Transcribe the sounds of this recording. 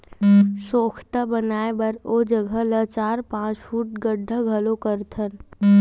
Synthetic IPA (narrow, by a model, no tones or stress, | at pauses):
soːkʰt̪abənaːebəɾod͡ʒəɡʱələt͡ʃaːɾpãːt͡ʃfuːʈ̚ɡəɖʱːəɡʱɐlokəɾt̪ʰən